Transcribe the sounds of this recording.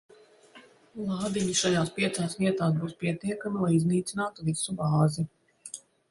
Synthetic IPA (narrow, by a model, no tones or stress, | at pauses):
lˠɑːd̪iɲiʃajaːspʲiɛt̪saːsviɛt̪aːsbuːspiɛt̪iɛkamilˠajizniːt̪sinaːt̪uvisubaːzi